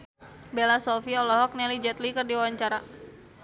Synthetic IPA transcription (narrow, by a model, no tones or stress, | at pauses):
belasɔfiɔlɔɦɔk̚nɛlid͡ʒɛt̪likɨrdiwawaɲt͡ʃaɾa